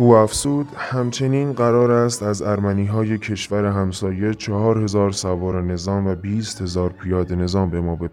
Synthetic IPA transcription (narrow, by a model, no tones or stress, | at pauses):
ʔuːæfz̥uːd̪hæmt͡ʃʰe̞niːnɢæɾɒːɾæst̪æzæɾmæniːɦɒːje̞cʰe̞ʃvæɾe̞ɦæmsɒːje̞t͡ʃʰɒhɒːɾhe̞zɒːɾsævɒːɾene̞zɒːmvæbiːst̪he̞zɒːɾpʰijɒːd̪ene̞zɒːmbe̞mɒːbe